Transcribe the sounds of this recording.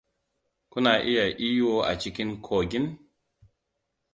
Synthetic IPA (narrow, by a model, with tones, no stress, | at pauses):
ku˦na˨ʔi˦ja˨ʔi˦jo˦a̰˨t͡ʃi˨ki˦nkʰo˨ɡi˦n